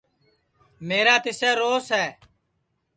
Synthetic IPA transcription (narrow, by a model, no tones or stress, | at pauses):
meːɾaːt̪ɪsɛːɾoːsɦɛː